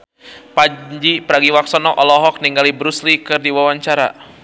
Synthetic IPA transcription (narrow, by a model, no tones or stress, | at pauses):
pad͡ʒipəɾaɡiwaksɔnɔʔɔlɔɦɔk̚niŋɡalibɾuslikɨrdiwawaɲt͡ʃaɾa̰